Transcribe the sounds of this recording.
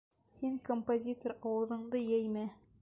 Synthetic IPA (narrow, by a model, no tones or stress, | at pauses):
hiŋkompozʲit̪orɑwɤ̆ðɤ̆ɴd̪ɤjæjmæ